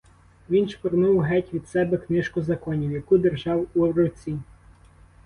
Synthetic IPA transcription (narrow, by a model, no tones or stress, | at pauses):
ʋʲinʃpɔɾnuwɦɛtʲʋʲid̪̥sɛbɛknɪʃkʊzɐkɔnʲiwjɐkud̪erʒɑwuɔwɾɔwt͡sʲi